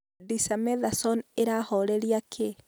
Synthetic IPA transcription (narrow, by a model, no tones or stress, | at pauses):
disamɛðasɔneɾahɔɾeɾiakʰe